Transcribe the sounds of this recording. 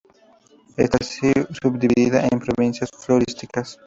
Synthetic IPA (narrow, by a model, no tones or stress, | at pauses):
ḛst̪asisubd̪iβiðiðɐʔẽmpɾoβĩnsθjɐsfloɾist̪ikɐs